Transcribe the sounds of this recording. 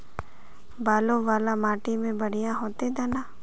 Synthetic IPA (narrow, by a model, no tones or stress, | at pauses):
baːloʋaːlamaːʈimẽbəɽ̤ijãɦoːt̪ed̪ɛːnaː